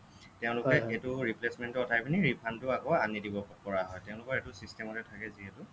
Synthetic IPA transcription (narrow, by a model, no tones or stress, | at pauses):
tɛʊ̃lʊkɛetʊɹiplesmɛntʊɔtʰajpʰiniɹipʰantʊakɔanidibɔpɔɹaɦɔjtɛʊ̃lʊkɔɛtʊsistɛmɔtɛtʰakɛziɦɛtʊ